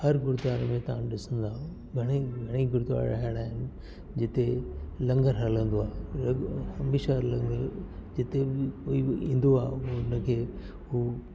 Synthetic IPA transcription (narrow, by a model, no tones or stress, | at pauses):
hɐɾɡʊɾd̪aːɾmẽt̪ɐãɗɪsə̃nd̪aːũ | ɡʱɐɽ̃eɡʱɐɽ̃iɡʊɾt̪ʋa̰ːɾɾɐ̰ɦəɽ̃aːɦɪnɪ̆ | d͡ʑɪt̪elɐ̃ŋɡəɾɦɐlə̃nd̪oaːɦe | ɐmeːʃalɐ̃ŋɡəɾd͡ʑɪt̪ebɪkoːiḭ̃ːn̆d̪oaːɦeʊnəkʰeː | ɦuː